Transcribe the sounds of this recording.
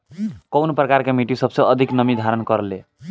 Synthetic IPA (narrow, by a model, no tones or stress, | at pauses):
kəwnpɾəkaɾkemiʈisəbsə̃əd̪ʱiknəmid̪ʱaɾənkəɾle